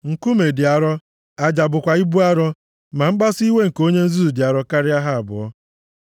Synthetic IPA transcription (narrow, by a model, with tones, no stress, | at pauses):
ŋ̩˨ku˦me˨dɪ˨a˨ɾɔ˦ | a˨d͡ʒa˨bʊ˨kʷa˨i˦bu˦a˦ɾɔ˦ | ma˨m̩˦ɡ͡ba˦si˦we˦ŋ̩˨ko˦ɲe˦n̩˦zu˦u˨dɪ˨a˨ɾɔ˦ka˦ɾɪ˦a˦ɦa˦a˨bʊ̰˨ɔ˦